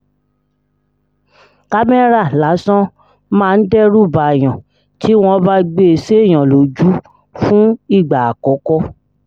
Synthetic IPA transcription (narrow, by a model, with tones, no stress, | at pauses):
ka˦mɛ˦ɾa˦˨la˨˦sɔ̃˦ | mãː˦˧n̩˦dɛ˦ɾu˦˨ba˨j̃ɔ̃˨ | ti˨˦w̃ɔ̃˧˦ba˧ɡ͡be˧˨se˦˨j̃ã˨lo˨d͡ʒu˨˦ | fũ˦i˦˨ɡ͡ba˨a˨kɔ˨˦kɔ˧